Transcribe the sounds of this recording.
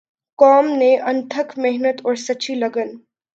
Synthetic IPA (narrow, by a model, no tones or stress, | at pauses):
kɔːmneʔɐ̃nt̪ʰəkʰmɛɦnət̪ɔːɾsɐːʃʰilɐɡən